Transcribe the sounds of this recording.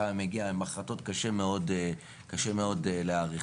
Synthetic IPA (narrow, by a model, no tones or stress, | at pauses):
ameɡiaimaχlato̞tkaʃe̞meo̞de | kaʃe̞me̞o̞dleaʁi